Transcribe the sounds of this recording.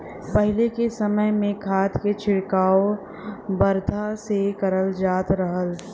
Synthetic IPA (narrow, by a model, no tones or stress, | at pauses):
pəɦɪlekesɐməjmẽkʰaːt̪ket͡ʃʰɪɽkaːo | bɐɾd̪ʱasekəɾəld͡ʒaːt̪ɾəɦəl